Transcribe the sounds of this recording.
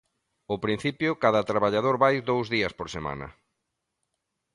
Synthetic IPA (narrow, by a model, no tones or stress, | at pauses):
opɾin̟θipjʊkaðɐt̪ɾaβaʎaðoɾβajd̪owzðiɐspoɾsema̰nɐ̰